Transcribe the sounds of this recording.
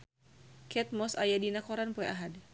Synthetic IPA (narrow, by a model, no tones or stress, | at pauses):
kɛt̪̚mɔsajadinakɔɾanpɔɛʔaɦad